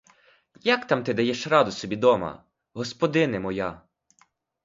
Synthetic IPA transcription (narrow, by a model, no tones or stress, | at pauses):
jɐkt̪ɑmt̪ɪd̪ɐjɛʃrɑd̪ʊsɔbʲid̪ɔmɐ̰ | ɦɔspɔd̪ɪnɪmɔjɑ